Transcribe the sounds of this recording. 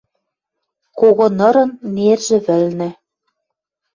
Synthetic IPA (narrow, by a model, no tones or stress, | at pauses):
koɣŏnɤ̆ɾɤ̆nːerʒɘ̆βɘ̆lnɘ̆